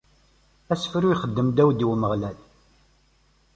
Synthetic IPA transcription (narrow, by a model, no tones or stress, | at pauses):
æsfɾuiχəd̪ːəmd̪æwd̪wməʁlæl